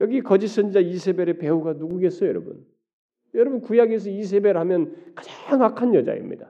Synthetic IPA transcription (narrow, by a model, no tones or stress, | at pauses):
jʌɡikʌd͡ʑis͈ʰʌnd͡ʑid͡ʑaisʰe̞beɾɯpe̞uɡanuɡuɡe̞s͈ʌjʌɾʌbṵn | jʌɾʌbunkujaɡes̬ʰʌis̬ʰe̞beɾɯɭhamjʌnkad͡ʑaaŋakʰanjʌd͡ʑa̰ḭmɲḭd̥a